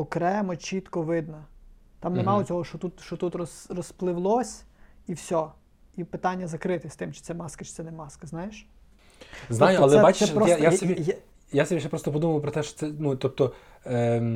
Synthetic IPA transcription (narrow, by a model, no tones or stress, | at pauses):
ɔkɾɛmɔt͡ʃʲit̪kɔʋɪd̪nɐ | t̪ɑmnemɑlˠɔt͡sʲɔɦɔʃɔt̪ut̪ʃɔt̪ut̪rɔsrɔsplˠɪʋlˠɔsʲiwsʲɔ | ipɪt̪ɑnʲːɐzɐkɾɪt̪ɪsʲt̪ɪmt͡ʃɪ̥t̪sɛmɑskɐt͡ʃɪ̥t̪ɛnɛmɑskɐznɑjeʃ | znajʊɐlɛɛbat͡ʃ̪ɛpɾɔjasi | jasɔbʲiʃɛpɾɔst̪ɔpɔd̪umɐʋʊpɾɔt̪ɛʃɔ̥t̪sɛnut̪ɔp̚t̪ɔ